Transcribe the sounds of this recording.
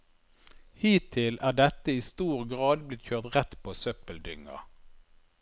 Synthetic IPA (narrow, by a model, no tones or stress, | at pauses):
hiːt̪ʰɪlʔæːɖɛt̪əiːst̪uːʁɡʁɑːd̪blɪt̪çøːʁt̪ʁɛt̪pʰoːsœpəld̪ʏŋə̰